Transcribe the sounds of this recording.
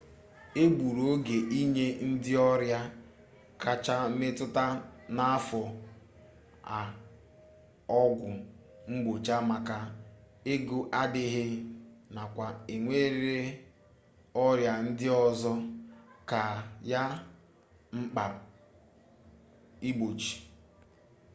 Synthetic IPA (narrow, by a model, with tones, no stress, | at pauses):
e˦ɡ͡bu˨ɾo˦ɡe˨ʔi˦ɲe˦n̩˦dɪ˦ɔ˦ɾja˦ | ka˨t͡ʃa˦me˦tʊ˦ta˦na˦a˦fɔ˨ | a˨ | ɔ˦ɡʷʊ˨ | ŋ͡m̩˦ɡ͡bo˨t͡ʃa˦ma˨ka˦ | e˦ɡu˨ʔa˦dɪ˦ɦɪ˦na˨kʷa˨e˨ŋʷe˦ɾɾe˦ | ɔ˦ɾja˨n̩˦dɪ˦ɔ˦zɔ˦ka˨ja˦ | ŋ͡m̩˦k͡pa˨ | i˦ɡ͡bo˨t͡ʃi̥˨